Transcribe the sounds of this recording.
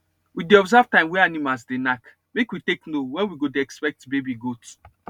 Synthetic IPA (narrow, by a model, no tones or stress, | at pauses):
wideɔbzavtãɪ̃mwɛanimalsdenak | mekwiteknowɛ̃nwiɡodeɛkspɛk̚tbebiɡot